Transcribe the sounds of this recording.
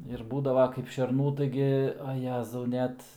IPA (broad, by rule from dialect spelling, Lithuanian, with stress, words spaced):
ɪr ˈbuːdɐʋɐ kɐɪp ʃʲɛrˈnuː ˈtɐɪɡʲɪ ɐ ˈjæːzɐʊ ˈnʲɛt